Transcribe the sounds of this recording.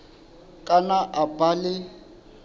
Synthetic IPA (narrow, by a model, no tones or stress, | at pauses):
kʼanaʔabalɪ